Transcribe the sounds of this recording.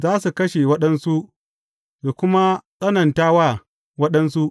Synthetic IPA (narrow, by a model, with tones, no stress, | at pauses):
zaː˦su˨kɐ˦ʃe˨wɐ˦ɗɐ˦nsu˦ʔ | ja˨kʷʊ˦ma˦sʼɐ˦nɐ˨ntaː˦waː˦˨ | wɐ˦ɗɐ˦ns̬u˦ʔ